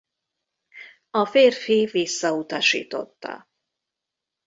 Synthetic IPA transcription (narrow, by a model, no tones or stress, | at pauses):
ɒfeːrfivisːɒut̪ɒʃḭːt̪o̞̰t̪ːɒ̰